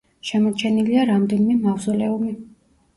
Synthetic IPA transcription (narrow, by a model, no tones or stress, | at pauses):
ʃɛmɔt͡ʃʰɛniliaɾamd̪ɛnimɛmavzɔlɛumi